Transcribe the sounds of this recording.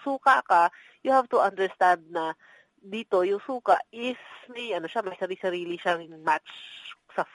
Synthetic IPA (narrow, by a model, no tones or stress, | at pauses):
suːkɐka | jʊhavt̪ʊʔɐnd̪ɛɹst̪ãnd̪̚nɐ | d̪iːt̪o̞jʊŋsuːkaʔʔɪsmiʔɐnoʃamɐjsɐɾisɐɾiːlɪʃaŋmatt͡ʃsɐ